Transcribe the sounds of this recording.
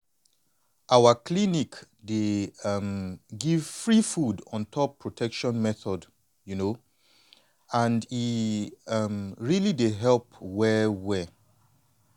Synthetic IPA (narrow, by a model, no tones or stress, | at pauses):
ʔawəkʰlinik | demɡiv̥fɹifudɔ̃ntʰɔpʰːɹɔtʰɛkʃɔ̃nmɛθɔd | juno | ãndi | mɹilideɦɛlpwɛwɛ